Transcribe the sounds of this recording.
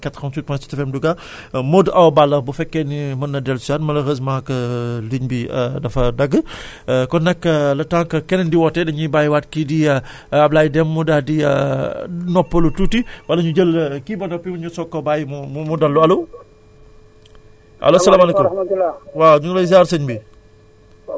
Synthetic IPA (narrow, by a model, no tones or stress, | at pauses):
kɛtxɐmt͡ʃut̚pɔnsi̥tɐfɛmduɡa | modɐwbalːɐbufɛkːɛnimɐnːɐdɛlsuatmɐlɐxəs̬maːkɐliɲbidɐfɐdɐɡːə | kɔnːɛkːɐlɐtaŋkɐkɛnɛndiwɔtːɛdɐɲibajwat̚kidi | ɐb̚laːjdɛmːudadiɐ̰ | nɔpːɐlutuːtiwɐlːɐɲud͡ʒəlkibɐnɐpːimɐɲusɔkːɐbajmumumudɐlːuɐlo | ʔɐ̰losɐlaːmɐleku | waɲulɐzaːɾsɐɲbi